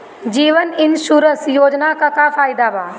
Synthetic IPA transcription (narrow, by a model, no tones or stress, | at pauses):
d͡ʒiːʋənɪnʃuːɾəsjoːd͡ʒnakaːkafaːɪd̪abaː